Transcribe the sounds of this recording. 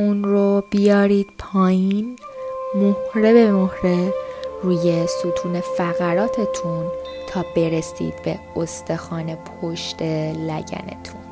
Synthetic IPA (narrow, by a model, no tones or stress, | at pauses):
unɾobijɒːɾiːd̪̥̚pʰɒːjiːn | mohɾe̞be̞mohɾeruːje̞sut̪ʰuːne̞fæɣæɾɒːt̪ʰe̞t̪ʰunt̪ʰɒːbe̞ɾesḭːd̪̥̚be̞̰ | ost̪e̞xɒːne̞pʰoʃt̪e̞læ̰ɟæ̰nḛt̪ʰun